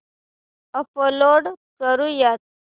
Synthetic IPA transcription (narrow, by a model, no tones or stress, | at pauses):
əpəloɽkəɾũjat̪̚